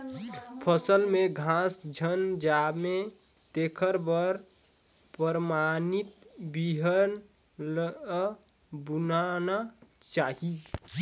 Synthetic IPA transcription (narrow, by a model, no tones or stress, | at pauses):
pʰəsəlmeɡʱãsd͡ʒʱənd͡ʒame | t̪ekʰəɾbəɾ | pəɾmanit̪̚biɦəɾn | l | bunanat͡ʃaːɦi